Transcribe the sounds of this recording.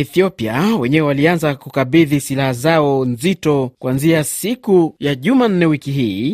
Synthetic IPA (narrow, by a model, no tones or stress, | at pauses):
ɛθiɔpiawɛɲɛwɛwalianzakukaɓiðisilahazaɔnzitɔkwanziasikujaʄuman̩nɛwikiɦiː